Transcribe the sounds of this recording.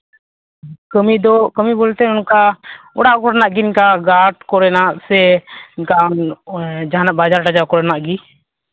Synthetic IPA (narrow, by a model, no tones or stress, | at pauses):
kəmid̪ɔkəmibolt̪ɛʊnkaʊɽaʔkɔɽnaʔɡinkaɡaʈkɔɾɛnaʔsɛnkand͡ʒanəʔbaːd͡ʒaɾʈad͡ʒakɔɾɛnaʔɡi